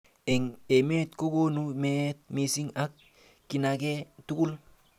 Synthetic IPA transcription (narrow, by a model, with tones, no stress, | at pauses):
e˨ŋe˨me˦t̪̚ko˦ko˦numet̪̚misi˦ŋak̚ː | inaketu˦ku˦l